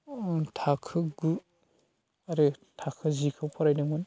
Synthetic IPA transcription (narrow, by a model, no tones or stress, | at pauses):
tʰakʰɯɡu | aɾɯtʰakʰɯzikʰɯwpʰɔɾajdɯŋɯn